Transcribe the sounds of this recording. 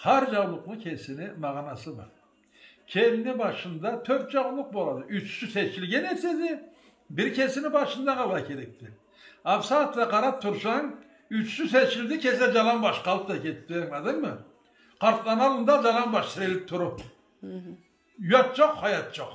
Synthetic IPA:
hʰɑɾd͡ʒɑwlˠʊqnɨkʲʰesɪnɪmɑʁnɑsɨbɑ̰ɾ | kʲʰemnɪbɑʃɯnd̪ɑt̪ʰøɾt̪d͡ʒɑwlˠːʊq̚bolˠɑd̪ɨʔyt͡ʃsyset͡ʃʰɪlɡʲenːeɾsed̪e | bɪɾkʲʰesɪnɪbɑʃɯnd̪ɑqɑlˠɑkʲʰe̞ɾek̚t̪ɪ | ɑpsɑt̪lɑqʰɑɾɑp̚t̪ʰʊɾsɑŋ | yt͡ʃsyset͡ʃɪld̪ɪkʲʰesed͡ʒɑlˠɑmbɑʃqɑlˠp̚t̪ɑkʲʰet̪ːeŋɑd̪ɨŋmə | qʰɑɾt̪lˠɑnɑlˠɯnd̪ɑd͡ʒɑlˠɑnbɑʃt̪ʰɪɾelɪp̚t̪ʰʊɾʊp | jɑt̪̚ʒoqhɑjɑt̪ʒ̥oq

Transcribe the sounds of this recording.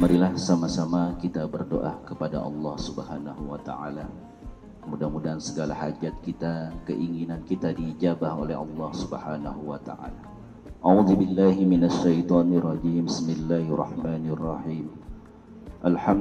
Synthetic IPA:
maɾilahsamasamakit̪abərdo̰ʔakəpada̰ʔɑ̰lːɑhsubəhanaɦuwat̪a̰ʕa̰la | kəmudamudansəɡalaha̰d͡ʒat̪̚kit̪akə̰ʔiŋinankit̪adiːd͡ʒabaho̰lɛ̰ɑ̰lːɑhsubəhana̰ɦuwat̪a̰ʔa̰la | ʔauðubɪlːaɦimɪnaʃːajt̪ˤɑnrˤɑd͡ʒiːmbɪsmɪlːahrˤɑ̰hmaːnrˤːɑhiːm | ʔalħam

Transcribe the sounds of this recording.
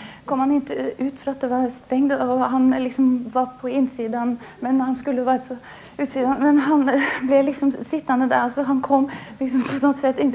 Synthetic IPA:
kʰɔmhɑnɪnt̪ʉːt̪fɾɑːɑt̪̚d̪ɛʋɑɾst̪ɛŋd̪ɔɦɑnlɪksɔmʋɑɾpʰɔɪnsiːd̪ɑnmɛnhɑnskʉlːəʋæɾsɔ | ʉːt̪siːd̪ɑnmɛnɦɑnblɛlɪksɔmsɪt̪ːɑnəd̪æɾɔsɔɦɑnkʰɔmːlɪksɔmpʰɔsɔt̪sɛt̪ːɪn

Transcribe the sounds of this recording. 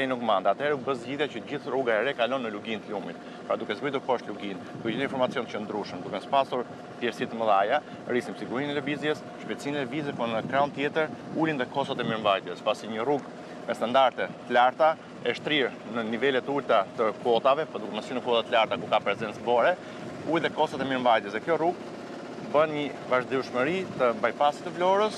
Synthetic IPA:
nukmand̪at̪hɛɾɛubəzɟiðjacəɟiθruɡaɛɾɛkalɔnːəluɡint̪əlumit̪̚ | pɾad̪ukɛzɡit̪uɾkɔʃt̪luɡind̪ukɛitinfɔɾmat͡siɔnt͡ʃənd̪ɾuʃəmd̪ukɛspasuɾ | fjɛɾsit̪əməðaja | ɾisimsiɡuɾinɛləbizjɛs | ʃpɛt̪sinɛvizɛpunəkɾaɔnt̪jɛt̪əɾulinðɛkɔsɔt̪ɛmiɾmvajt̪jɛspasiɲəruɡ | mɛst̪and̪aɾt̪ɛt̪əlaɾt̪a | ɛʃt̪ɾiɾ | nənivɛlɛt̪ult̪at̪əkɔt̪avɛpɔd̪ukɛməsynəkɔt̪at̪əlaɾt̪akukapɾɛzɛnt͡sbɔɾɛ | ulðɛkɔst̪at̪ɛmiɾmvajt̪jɛsɛkjɔruɡ̚ | bənɲə | vaʒd̪iuʃməɾit̪əbajpasi̥t̪əvlɔɾəs

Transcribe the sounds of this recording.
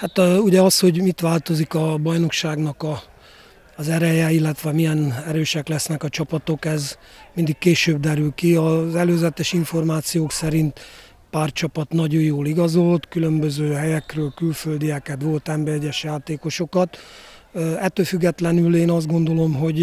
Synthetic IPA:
hat̪uɟɛɒsho̞ɟmit̪ʋaːlt̪o̞zikɒbɒjno̞kʃaːɡnɒkɒː | zɛɾɛjɛilːɛt̪ʋɛmijɛnɛɾøːʃɛklɛsnɛkɒt͡ʃɒpɒt̪o̞kɛz | mind̪ikkːeːʃøːbd̪ɛɾylkiɒzɛløːzɛt̪ɛʃiɱfo̞rmaːt̪sijoːksɛɾint̪ | paːrt͡ʃɒpɒt̪nɒɟojoːliɡɒzo̞lt̪kylø̞mbøzøːɦɛjɛkrøːlkylføld̪iɛkɛt̪ʋo̞lt̪ɛmbɛɛɟɛʃjaːt̪eːko̞ʃo̞kɒt̪ | ɛt̪ːøːlfyɡːɛt̪lɛnyleːnɒzd̪ɡo̞nd̪o̞lo̞mɦo̞ɟ

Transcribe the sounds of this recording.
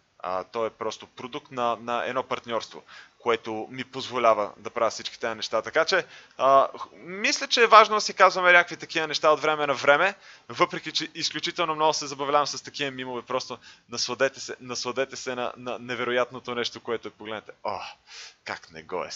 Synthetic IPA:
ə̰t̪ɔɛpɾɔst̪opɾod̪uk̚t̪nɐnɐɛ̰d̪nɔpɐɾt̪nʲɔɾst̪vo̰koɛt̪ʊmipozvolʲavə̰d̪ɐpɾavəfsit͡ʃki̥t̪ɛɐnɛʃt̪at̪ɐkat͡ʃɛ | əmislʲət͡ʃɛːvaʒnod̪ɐsikazvɐmɛɾʲakvit̪ɐkivənɛʃt̪aot̪vɾɛmɛnɐvɾɛmɛ | vɤpɾɛkit͡ʃɛʔisklʲut͡ʃit̪ɛlˠnomnɔɡʊsɛzɐbɐvlʲavɐmsɐst̪ɐkiəmimovɛpɾɔst̪onɐsvɐd̪ɛt̪ɛsɛnɐsvɐd̪ɛt̪ɛsɛnɐ̰nɐnɛvɛɾojat̪not̪onɛʃt̪okoɛt̪ʊɛpoɡlɛd̪ɛt̪ɛoka̰knɛ̰ɡɔ̰ɛ̰s

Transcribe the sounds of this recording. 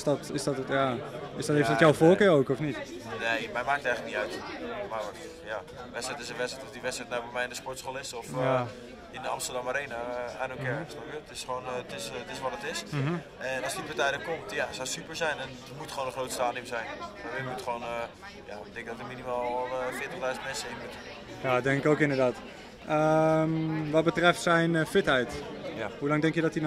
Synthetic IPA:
sdɔtɪsdɔtətjaɪsdɔtefəjawfoːlˠkɪɹowkɔfnit | nejmɛjmaːk̚tɛjŋlək̚niœɥtmaʋɔ | ja | ʋɛsɛjtɪs̬əʋɛtsɛtɔfdiʋɛtsɛjtnawbɛmɛjɪndəspɔɹtsxolɪsɔf | ɪndəa̰mstərdamaɾeːnaaːnokɛsnɔpkjətɪsχʋoːntɪstɪsʋɔtətɪs | ɛnɔsditʋətɛjdəkomtjasawsypəɹzɛjnɛn | mutχəʋoːndəχrowtəstaːnimzɛjnfaimutχʋoːn | ja̰tɛ̃ŋkədɔtəminimaːlˠlˠfɪːətəχdœɥzən̩tmɛnsəɪnət | jadɛŋɪkoːkɪndərdaːt | ʔəmʋɔt̚bətrɛftsɛjnfɪthɛjthulaŋdɛŋkjədɔtin

